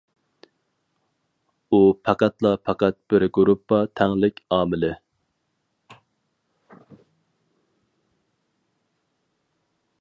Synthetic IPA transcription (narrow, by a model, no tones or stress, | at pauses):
upʰɛqæt̪lˠɑpʰɛqæt̪̚b̥ɪɾɡɾupʰːɑt̪ʰæŋlɪkʲɑːmɪlɪ